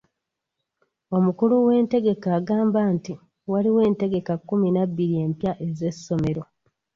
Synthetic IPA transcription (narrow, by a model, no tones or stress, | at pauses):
o̞mukuluwe̞ːnte̞ɡe̞kaːɡaːmbaːnti | waliwe̞ːnte̞ɡe̞kakːuminabːiɾie̞mpjaʔe̞ze̞sːo̞me̞ɾo̞